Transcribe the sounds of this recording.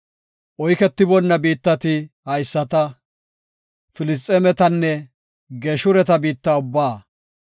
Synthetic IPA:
ʔɔjkɛt̪ːɪbɔnːɐbiːt̪ːɐt̪ɪ | hɐjsːɐt̪ɐ | fɪlɪs̬t̪ʼɛmɛt̪ɐnːɛ | ɡeːʃʊɾɛt̪ɐbiːt̪ːaːʊbːaː

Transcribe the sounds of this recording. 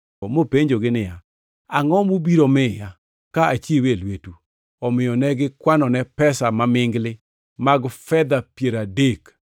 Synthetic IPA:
mopeɲd͡ʒoɡɪnɪja | aŋɔmubiɾomɪja | kaʔat͡ʃiewelwetu | ɔmɪjɔnɛɡɪkwanɔnɛpɛsamamɪŋɡlɪ | maɡfɛd̪apjeɾadek

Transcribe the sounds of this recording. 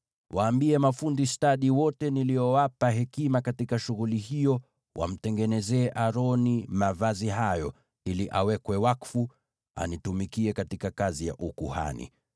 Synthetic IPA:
wʔaːmbiɛmafundistaɗiwɔtɛniliɔwapaɦɛkimakatikaʃuɣulihijɔ | wʔa̰m̩tɛŋɡɛnɛzɛːʔaɾɔnimavaziɦajɔ | iliʔawɛkwɛwakfu | a̰nitumikiɛkatikakazija̰ʔukuha̰nḭ

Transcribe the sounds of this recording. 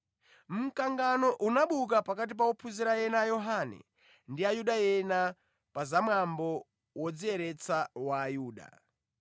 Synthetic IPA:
m̩kaŋɡanɔʔunaɓuk̬apakat̬ip̬awɔpʰuziɾajɛnajɔɦanɛ̰ | ndiajuɗajɛna | pazamwambɔ | wɔd͡ziɛɾɛt͡sawaːjuːɗa̰

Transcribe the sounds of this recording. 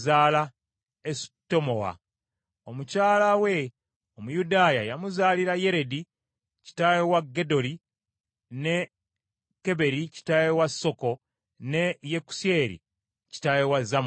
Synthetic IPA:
zaːla | esi̥tːo̞mo̞wa̰ | omucaːlawe̞ | omujudaːjajamuzaːliɾaje̞ɾe̞di | ci̥tajewaɡːe̞do̞ɾi | ne̞ | ke̞βe̞ɾici̥tajewasːo̞ko̞ | ne̞jeku̥se̞ɾḭ | ci̥tajewazam

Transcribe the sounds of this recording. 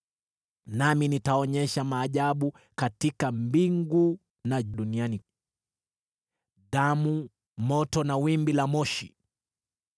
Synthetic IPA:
naminitaɔɲɛʃamaːʄaɓu | katikambiŋɡu | naɗuniani | ɗamu | mɔtɔnawimbilamɔʃi

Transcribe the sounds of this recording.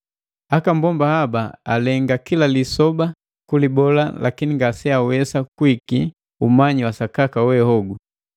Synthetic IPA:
akambɔmbahabaalɛŋɡakilalisɔba | kulibɔla̰la̰kiniŋɡasɛawɛsakwiki | umaɲiwasakakawɛhɔɡu

